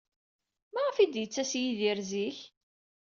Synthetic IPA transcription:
mæʁəfid̪jət͡sːæsjiðiɾziç

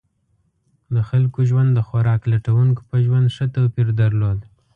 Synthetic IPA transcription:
d̪əxalkoʒwand̪ːəxaɾɑklaʈawuŋko̥pəʒwand̪ʂət̪awpiɾd̪aɾlod̪

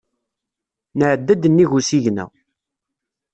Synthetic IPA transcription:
nəʕəd̪ːæd̪ənːiʝusiʝnæ̰

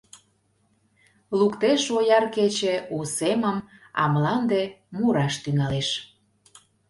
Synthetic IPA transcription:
lukt̪eʃojɑrket͡ɕeuseməmɑ̰məlɑnd̪emuɾɑʃt̪yŋɑleʃ

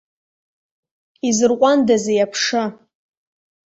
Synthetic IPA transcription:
izɨrqʷʼandazejapʰʂɨ

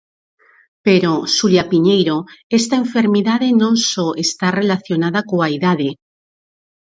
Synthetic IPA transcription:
peɾosuljapiɲejɾoest̪aeɱfeɾmiðaðenõŋsɔʔest̪arelaθjonaðakoaiðaðe

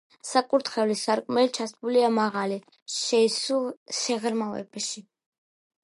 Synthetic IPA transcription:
sakʼuɾt̪χɛvlisaɾkʼmɛlit͡ʃʰasbuliamaʁali | ʃɛisuʃɛʁɾmavɛ̰bʃi

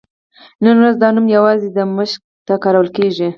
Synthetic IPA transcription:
nənwɾazd̪ɑnumjawɑzed̪əməʃk̚ | t̪akɑɾawəlkeʒi

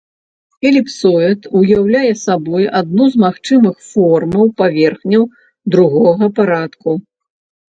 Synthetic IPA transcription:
ɛlʲipsɔɛt̪ujawlʲajɛsabɔjad̪̚nuzmaxt͡ʂɨmɨxfɔrmɐwpavʲɛrxnʲɐw | d̪ɾuɣɔɣɐpaɾat̪ku

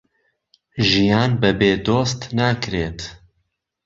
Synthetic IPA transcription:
ʒijaːnbɛbeːd̪oːst̪naːkɾeːt̪

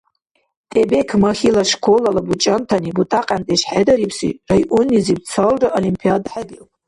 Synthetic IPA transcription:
tʼebekʰmaχʲilaʂkʷʰolalabut͡ʃʼantʰanibutʼaqʼantʼaiʂħadaɾipʰsḭrajʔunizibt͡sʰalraʔolimpʰiadaħaɡɨltʼ

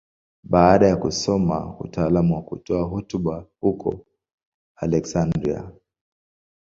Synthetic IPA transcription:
ɓaːɗajakusɔma̰utaːlamuwakṵtɔaɦɔtuɓahukɔ̰ | alɛksandɾḭa̰

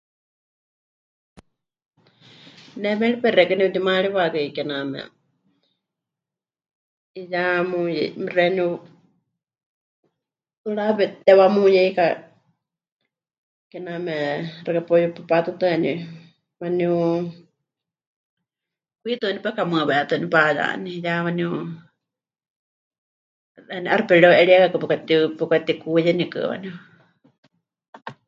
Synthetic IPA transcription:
nɛmɛɺipɛɾɛkɛnit̪imaɺiβakɛikɛnamɛ̰ | ijamujɛ̰mirɛniu | t̪uɺapɛt̪ɛβamujɛika | kɛnamɛɾakapɔjuppat̪ut̪ɨani | waniu | kʷit̪unipɛkamɨaβɛat̪ɨnipaja̰nijawaniu | aniʔaɾpɛɺɛwʔɛɺiɛkakɨpukʷat̪ipukʷat̪ikujɛnikɨ̰wa̰niu

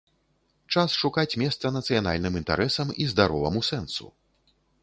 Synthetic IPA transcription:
t͡ʂasʂukat͡sʲmʲɛst̪sɐnɐt̪sɨjana̰lʲnɨmint̪a̰ɾʔɛsɐmizd̪aɾɔvɐ̰musɛnsṵ

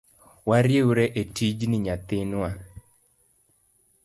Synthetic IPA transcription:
waɾjewuɾɛʔetid͡ʒnɪɲat̪ɪnwa

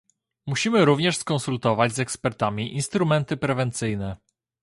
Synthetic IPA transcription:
muɕimɘɾuvɲɛʂskɔnsult̪ɔvad͡ʑzɛkspɛɾt̪amʲiʔinst̪ɾumɛnt̪ɘpɾɛvɛnt̪sɘjnɛ

